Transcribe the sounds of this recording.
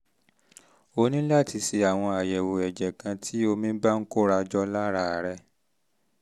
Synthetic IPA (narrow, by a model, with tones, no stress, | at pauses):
o˧nĩ˦la˦˨ti˧si˧a˨w̃ɔ̃˧a˨jɛ˨wo˨ɛ˨d͡ʒɛ˨kã˧tʰi˦o˧mĩ˦ba˦ŋ̩˦ko˦ɾa˧d͡ʒɔ˦la˦ɾa˦˨ɾɛ˧˦